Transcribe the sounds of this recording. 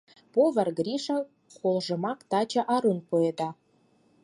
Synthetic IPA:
poβə̆rɡɾiʃə̆ | kolʒə̆mɑkt̪ɑt͡ɕɑ̆ʔɑɾunpued̪ɑ

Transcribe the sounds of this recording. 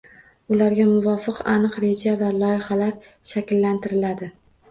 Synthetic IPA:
ʊlaɾɡʲamʊvɒfɨqanɨqɾe̞d͡ʒavalˠɒjɪhalaɾ | ʃakʲlːant̪ʰɪɾɪlad̪ɪ

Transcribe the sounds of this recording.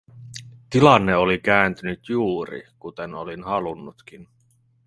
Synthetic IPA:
t̪ilɑnːe̞olikæːnt̪ynyt̪juːɾḭkut̪enolinhɑlunːut̪kin

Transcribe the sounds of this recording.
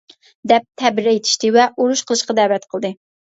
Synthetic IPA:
d̪ɛp̚t̪ʰɛbɪɾɛjit̪ʰi̥ʃt̪ɪvɛʔoɾuʃqʰəlˠɨʃqɑd̪ɛwɛt̪qʰəlˠd̪ɨ

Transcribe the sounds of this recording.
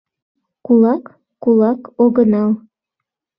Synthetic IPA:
kulˠɑkː | ulˠɑkoɣənɑlˠ

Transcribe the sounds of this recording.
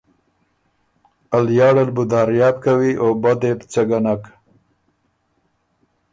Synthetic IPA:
aljɑːɽalbʊd̪ɑːɾjɑːbkawiʔobad̪ept͡saɡanak

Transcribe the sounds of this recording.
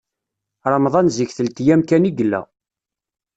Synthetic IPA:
ɾˤɑmðˤɑnziçθəlt̪jæmkæniɡəlːæ̰

